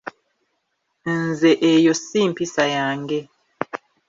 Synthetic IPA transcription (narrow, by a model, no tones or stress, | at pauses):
nzɛʔejosimpisajaːŋɡɛ